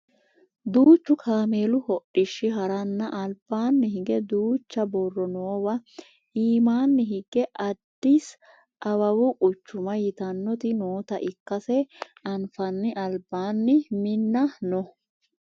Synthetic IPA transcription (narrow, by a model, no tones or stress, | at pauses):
d̪uːt͡ʃːʊkʰaːme̞ːlʊhɔʔɪʃːɪɦɐɾɐnːɐʔɐlbaːnːɪɦɪɡɛd̪uːt͡ʃːɐbɔrːɔnoːwɐ | iːmaːnːɪɦɪɡɛʔɐd̪ːis | ʔɐwɐwʊʔʊt͡ʃːʊmɐjɪt̪ɐnːɔt̪ɪnoːt̪ɐʔɪkːɐsɛʔɐnfɐnːɪʔɐlbaːnːɪmɪnːɐnɔ